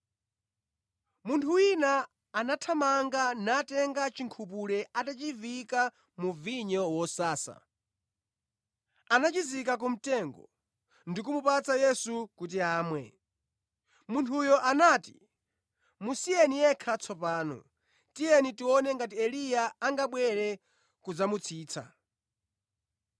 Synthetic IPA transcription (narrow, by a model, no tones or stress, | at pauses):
muntʰuwinaː | natʰamaŋɡanatɛŋɡat͡ʃiŋkʰup̬ulɛatat͡ʃivika | muviɲɔwɔsaːsa̰ | anat͡ʃizikak̬um̩tɛŋɡɔ̰ | ndik̬umupat͡sajɛsukut̬iaːmwɛ | muntʰujɔʔanaːti | musijɛnijɛkʰat͡sʰɔpaːnɔ̰ | tijɛnitiwɔnɛŋɡat̬iɛlijaːŋɡaɓwɛɾɛ | kud͡zamut͡sʰiːt͡sʰa̰